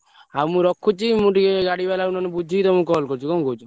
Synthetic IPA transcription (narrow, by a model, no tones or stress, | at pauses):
amũɾɔkʰut͡ʃʰimũʈieɡaɽibalaunɔnebud͡ʒʱikit̪ɔmũkɔlkɔɾt͡ʃʰukɔmɡʱot͡ʃʰu